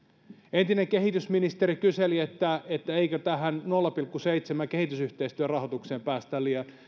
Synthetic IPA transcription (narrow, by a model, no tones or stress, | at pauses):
ent̪ineŋkeɦit̪ysminist̪eɾikyseliet̪ːæet̪ːæeikøt̪æɦænnolːɑpilkːuseit̪semækehit̪ysyht̪eist̪yærɑhot̪ukseːmpæːst̪æliɑ